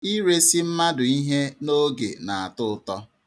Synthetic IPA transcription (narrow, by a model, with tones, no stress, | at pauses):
i˦ɾe˦si˦m̩˦ma˦dʊ˨i˦ɦe˦no˦ɡḛ˨na˨a˨tʊ˦˨tɔ˦